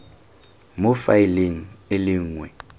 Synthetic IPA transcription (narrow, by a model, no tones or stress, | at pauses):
mʊfaileŋ̩eliŋŋwɛ